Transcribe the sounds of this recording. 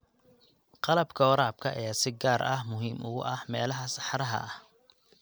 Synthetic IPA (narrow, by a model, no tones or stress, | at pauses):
qɑlɐbkʰɐwɔɾaːb̚kʰɐʔɐ̰ɛjːsɪɡaːɾʔɐhmʊɦiːmʔʊɣʊʔɐhmɛːlɐɦɐsɑħɾɐɦɐ̰h